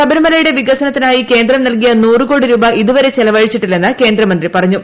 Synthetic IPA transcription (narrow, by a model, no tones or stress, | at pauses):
sɐbɐɾɐmɐlɐjuɽe̞ʋiɡɐsɐnɐt̪ːinaːjike̞ːnd̪rɐmnɐlkijɐnuːrɨko̞ːɽiɾuːbɐʔiðuʋɐɾe̞t͡ɕelɐʋɐɻit͡ɕːiʈːilːe̞nːɨke̞ːnd̪rɐmɐnd̪ripɐrɐɲːu